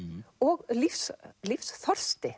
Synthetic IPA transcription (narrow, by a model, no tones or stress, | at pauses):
ɔɣlifslifsθɔr̥st̪ɪ